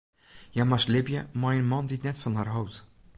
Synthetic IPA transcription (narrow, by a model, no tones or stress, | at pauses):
jamaslɪbjəmajənmɑnditnɛtfɑnɦaːrɦɔwt